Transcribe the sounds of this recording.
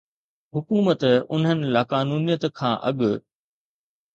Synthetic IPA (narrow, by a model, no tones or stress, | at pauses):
ɦʊkuːmət̪ʊ̰n̤ɦənɪ̆laːkaːnuːnijət̪kʰãːʔɐ̰ɠʊ̆